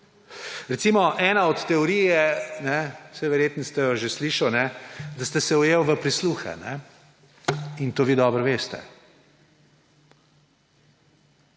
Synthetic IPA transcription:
ɾɛt̪siːmɔʔɛːnaɔt̪ːɛɔɾijɛnɛ̥sɛʋɛɾjeːt̪nist̪ɛjɔʒesliːʃawnɛd̪ast̪ɛsɛɔjewʋəpɾisluːxɛ̰nɛ̰ | int̪oːʋiːd̪ɔbɾɔʋeːst̪ɛ̰

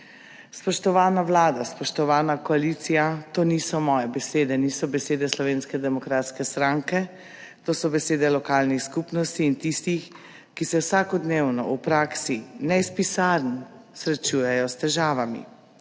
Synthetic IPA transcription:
spɔʃt̪ɔʋaːnawlaːd̪aspɔʃt̪ɔʋaːnakɔalit̪sijat̪oːnisɔmɔːjɛbɛseːd̪ɛniːsɔbɛseːd̪ɛslɔʋeːnskɛd̪ɛmɔkɾaːt̪skɛst̪ɾaŋkɛ | t̪oːsɔbɛseːd̪ɛlɔkaːlnixskupnɔst̪iːnt̪ist̪ix | kisɛwsakɔd̪neːwnɔ̰upɾaːksinɛispisaɾnsɾɛt͡ʃujɛjɔst̪ɛʒaːʋamḭ

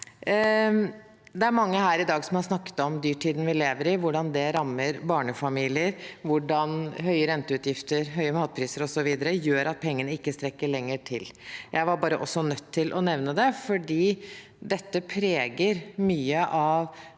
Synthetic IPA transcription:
d̪ɛæɾmɑŋːəhæːɾɪd̪ɑːɡsɔmhɑɾʂnɑkːə̥t̪ɔmd̪yːʈʰːiːd̪n̩ʋɪleːʋəɾɪʋʊɖɑnd̪ɛɾɑmːəɾbɑːɳəfɑmiːlɪəɾʋʊɖɑnɦœʏəɾɛnt̪əʉːt̪jɪft̪əɾɦœʏəmɑːt̪̚pʰɾiːsəɾɔsɔʋiːd̪əɾəjøːɾʔɑt̪̚pʰɛŋːənəɪkːəst̪ɾɛkːəɭɛŋːəʈʰɪljæɪʋɑɾbɑːɾəʔɔsːɔnœt̪ʰːɪlʔɔnɛʋnəd̪ɛfɔɖiː | d̪ɛt̪ːəpʰɾeːɡəɾmyːəʔɑʋ

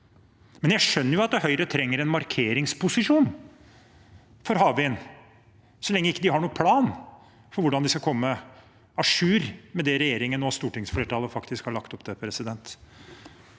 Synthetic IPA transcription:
mɛnjæʂœnːəɾjʊɑt̪̚d̪ɛhœʏɾət̪ʰɾɛŋːəɾɛnmɑɾkʰeːɾɪŋspʰʊsɪʂuːn | fɔɾɦɑːʋɪən | sɔlɛŋːəɪkːəd̪ɪhɑɳuːəpʰlɑːn | fɔɾʋʊɖɑnd̪ɪskɑkʰɔmːə | ɑʂʉːɾmɛd̪ɛɾɛjeːɾɪŋənɔst̪uːʈɪŋsfleːʈʰɑːləfɑkt̪ɪskhɑɭɑkt̪ɔpd̪̥ɛpʰɾɛsɪd̪ɛnt̪

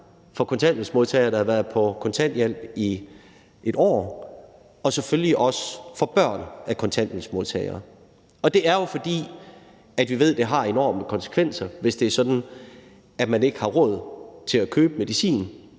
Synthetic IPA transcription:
fɒ̽kʰɒ̽nt͡sʰæn̰d̥n̩smo̝ðˠt͡sʰɛɪɐːɾ̥ɑ̈hɑ̈ʋæːɐðˠpʰɒ̽kʰɒ̽nt͡sʰæn̰d̥jel̰b̥i | ʔeɾ̥ɒ̰ː | ɒ̽seføljiʔɒ̽səfɒ̽b̥ɶɐ̰nækʰɒ̽nt͡sʰæn̰d̥n̩smo̝lˠt͡sʰɛ̰ɪɐː | ɒ̽d̥e̝æɐjo̝fɒ̽d̥ḭː | æd̥ʋiʋe̝ð̰ˠd̥e̝ɦɑ̈e̝nɒ̰ːməkʰɒ̽nse̥kʰʋen̰sɐʋe̝sd̥e̝æɐsɒ̽d̥n̩ | æd̥mæne̝ɡ̥əhɑ̈ʁɔ̽ð̞̰ˠt͡sʰe̝lækʰøːb̥əme̝ðˠisḭːn

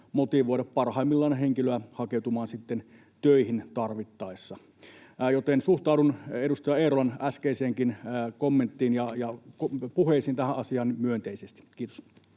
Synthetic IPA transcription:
mot̪iʋoˑiɾɑppɑrhɑˑimːilːɑˑːnheŋkiløæhɑkeˑut̪umɑːnsit̪ːen | t̪øihint̪ɑrʋit̪ːɑˑesːɑ | jot̪ensuht̪ɑˑːuduneɾust̪ɑjɑeːɾolɑnæskeiseːŋkinkomːent̪ːiːnjɑjɑkpuheˑisint̪æhæʔʔɑsiɑːnnimyønt̪eisest̪i̥kiːt̪o̥s

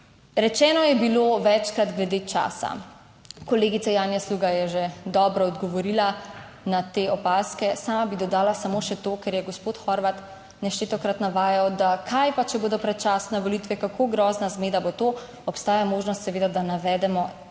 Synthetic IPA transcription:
ɾɛt͡ʃɛːnɔjɛbiloʋɛt͡ʃkɾad̪ɡlɛd̪eːt͡ʃa̰ːsa̰ | kɔleːɡit̪sajaːnjasluːɡajɛʒed̪ɔːbɾɔːd̪ɡɔʋɔɾiːla | nat̪eɔpaːskɛsaːmabid̪ɔd̪aːlasamoːʃɛt̪oːkɛɾjɛɡɔspoːt̪xɔɾʋat̪ | nɛʃt͡ʃet̪ɔkɾat̪naʋaːjawd̪akʰajpat͡ʃɛboːd̪ɔpɾɛt̪t͡ʃaːsnɛʋɔlit̪ʋɛkakʰoɡɾɔːznazmeːd̪abot̪o | ɔpst̪aːjamoːʒnɔst̪sɛʋeːd̪ad̪anaʋɛd̪ɛmɔ

